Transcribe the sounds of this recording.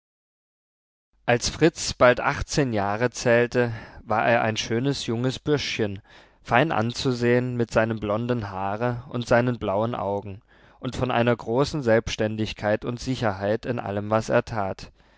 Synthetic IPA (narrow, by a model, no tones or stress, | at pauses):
ʔalsfʁ̥ɪt͡sb̥altʔa̰χt͡seːnjaːʁət͡sɛːltəvaːɐʔeːɐʔa̰ɪnʃøːnəsjʊŋəsb̥ʏɐʃçən | faɪnʔa̰nt͡suzeːənmɪtz̥aɪnəmblɔndn̩ɦaːʁəʊntz̥aɪnənblaʊənʔa̰ʊɡŋ̩ | ʔʊntfɔnʔa̰ɪnɐɡʁoːsn̩zɛlpʃtɛndɪçkʰaɪtʊntz̥ɪçɐɦaɪtɪnʔa̰ləmvasḛːɐtʰaːt